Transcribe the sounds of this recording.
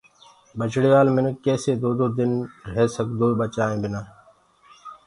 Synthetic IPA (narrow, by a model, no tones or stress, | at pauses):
bət͡ʃɽiːʋaːlmɪnəkːeːseːd̪oːd̪oːd̪ɪnɦeːsəɡd̪oːbət͡ʃaːĩːbɪnaː